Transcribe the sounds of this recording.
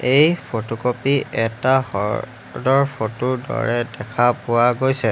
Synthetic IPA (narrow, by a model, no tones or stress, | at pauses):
ejpʰotokopiɛtahɔ̰ | dɔɹpʰotʊdɔ̰ɹɛdɛkʰapʊwaɡojsɛ